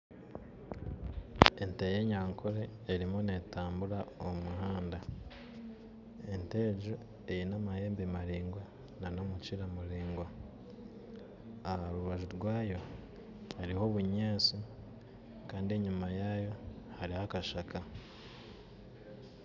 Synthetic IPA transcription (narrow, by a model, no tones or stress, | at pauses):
e̞nteje̞ɲaːŋkʰoɾeːɾimunetaːmbuɾaomuhaːnda | e̞nte̞ːɟo | e̞jinamahe̞ːmbemaɾiːŋɡwa | nano̞mut͡ʃiɾamuɾiːŋɡwa | ahaɾuβaʒuɾɡwaːjo̞ | haɾiho̞βuɲeːsi | kaːndie̞ɲumajaːjo̞haɾihakaʃaka